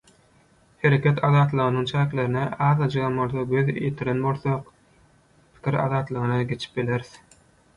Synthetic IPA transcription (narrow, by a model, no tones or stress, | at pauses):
he̞ɾe̞kʲet̪ʰɑðɑːt̪lˠɯʁɯnɯŋt͡ʃʰæːkle̞ɾineʔɑːðɑd͡ʒɯɣɑmbo̞lˠθoɡøð̰jet̪ʰiɾenbo̞lˠθoq | pʰi̥kʰʲiɾɑ̰ðɑːt̪lˠɯʁɯnɑɡe̞t͡ʃʰi̥p̚bile̞ɾiθ